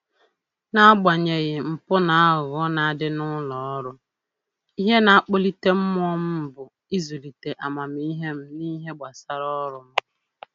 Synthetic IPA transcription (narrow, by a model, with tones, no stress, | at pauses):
na˦ɡ͡ba˨ɲe˨ɣɪ˨m̩˨pʊ˦na˨a˦ʊ˨ɣɔ˦na˨a˦˨dɪ˦nʊ˦lɔ˨ɔ˦ɾʊ˦ | i˦ɦe˦na˨˦a˦k͡po˦li˦te˦m̩˦m˦ɔ˦m̩˦m̩˨bʊ˨ | i˦zu˨li˨te˨ʔa˨ma˨m˦i˦ɦe˦m̩˦ni˦ɦe˦ɡ͡ba˨sa˦ɾɔ˦ɾʊ˨m̩˦